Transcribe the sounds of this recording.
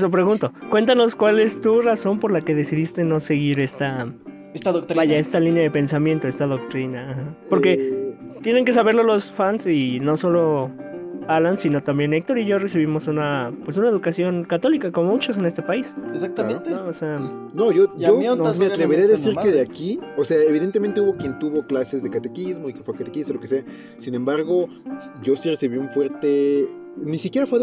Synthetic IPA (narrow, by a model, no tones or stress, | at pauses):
sopɾe̞ɣunt̪o̞kwe̞nt̪ano̞skwale̞st̪uraso̞mpo̞ɾlake̞ðe̞siðist̪e̞no̞se̞ɣiɾe̞st̪a | est̪aðokt̪ɾibaʝaest̪alinjaðe̞pe̞nsamje̞nt̪o̞e̞st̪aðo̞k̚t̪ɾinaːxapo̞ɾke̞ | t̪je̞ne̞ŋke̞s̬aβe̞ɾlo̞lo̞sfansino̞so̞lo̞ | alansino̞t̪ambje̞ne̞k̚t̪o̞ɾiʝore̞siβ̞imo̞sunapwesunae̞ðukasjo̞nkat̪o̞likakomomut͡ʃos̬e̞ne̞st̪e̞paisesakt̪aonoosea | no̞ʝoomat̪ɾeβeɾeaðessiɾkeðeakiose̞aeβ̞iðent̪emẽnt̪euβo̞kje̞nt̪uβo̞klase̞zðe̞kat̪e̞kizmo̞ikefwekat̪ekist̪olo̞kese̞a | sinẽ̞mbaɾɣo̞ | ʝo̞siresiβiuɱfwe̞ɾt̪e | nisikjeɾafwe